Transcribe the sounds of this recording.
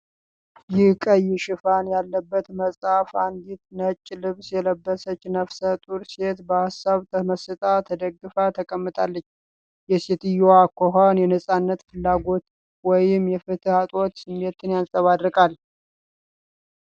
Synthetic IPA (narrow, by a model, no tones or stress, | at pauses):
jɪhkʼəjːɪʃɪfanjalːəbːət̪məsʼafand̪it̪nət͡ʃʼːlɨβsjɛləbːəsət͡ʃːnəfsət̪ʼuɾse̞t̪bəhasːaβt̪ʰəməsɨt̪ʼat̪ʰəd̪əɡːɨfat̪ʰəkʼəmːɨt̪ʼalːət͡ʃː | jɛse̞t̪ɨjoakʰːoɦanjɛnəsʼanːət̪fɨlːaɡo̞t̪ | wɔjɪmjɛfɨt̪ʰɨhat̪ʼot̪sɨmːe̞t̪ʰɨnjansʼəβad̪ɾɨkʼal